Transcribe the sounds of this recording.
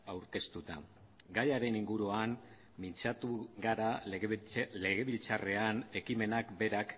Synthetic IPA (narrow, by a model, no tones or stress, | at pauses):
awɾke̞st̪ut̪a̰ | ɡajaɾe̞niŋɡuɾuam | mint͡sat̪uɣaɾa | le̞ɣe̞βilt͡sare̞ane̞kime̞nakbe̞ɾak